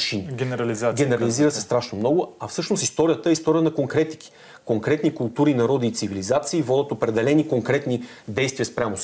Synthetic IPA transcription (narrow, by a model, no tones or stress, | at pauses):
ʃiniɡɛɾɐlizɡɛnɛɾɐliziɾəsɛst̪ɾaʃnomnɔɡʊɐfsɤʃnost̪ist̪ɔɾʲijət̪əɛist̪ɔɾijənɐkoŋkɾɛt̪i̥ki̥ | koŋkɾɛt̪nikʊlˠt̪uɾinɐɾɔd̪iːt̪sivilizat̪siːvɔd̪ət̪opɾɛd̪ɛlɛnikoŋkɾɛt̪ni | d̪ɛjst̪vʲijəspɾʲamo